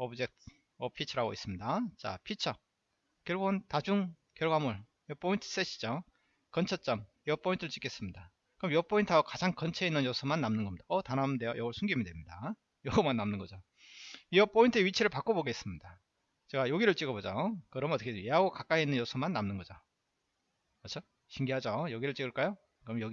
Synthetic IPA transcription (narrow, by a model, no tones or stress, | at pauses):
ʌbd͡ʑek̚t̚ | ʌpʰit͡ɕʰʌɾaɡo̰is͈ɯmɲidat͡ɕa̰pʰit͡ɕʰʌ | kjʌɭɡoɯntad͡ʑuŋ | kjʌɭɡwamuɭ | jʌp͈ʰointʰɯ̥s͈eɕʰi̥d͡ʑo | kʌnt͡ɕʰʌt͡ɕ͈ʌm | iʌp͈ʰointʰɯɾɯɭt͡ɕ͈ik͈e̞s͈ɯmɲida | kɯɾʌmjʌp͈ʰointʰaɡokad͡ʑaŋkʌnt͡ɕʰeinːɯnjosʰʌmanːamnɯnɡʌmɲid̥aʌtanamndejojʌɡʌɭsʰuŋɡimidwe̞mɲida | jʌɡʌmanːamnɯnŋɡʌd͡ʑo | ijʌpʰointʰɯeɥit͡ɕʰiɾɯɭpak͈oboɡes͈ɯmɲida | t͡ɕe̞ɡajoɡiɾɯɭt͡ɕ͈iɡʌbod͡ʑokɯɾʌmnʌt͈ʌkʰejeɦaɡokak͈ainːɯnjosʰʌmanːamnɯnɡʌd͡ʑo | kʌt͡ɕʰo | ɕʰiŋɡiɦad͡ʑojʌɡiɾɯɭt͡ɕ͈iɡɯɭk͈ajo | kɯɾʌmjʌɡi